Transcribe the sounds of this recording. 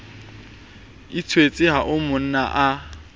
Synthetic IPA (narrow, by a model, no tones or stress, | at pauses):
ɪt͡sʰwet͡sʼɪɦaʔʊmʊn̩na̰ʔa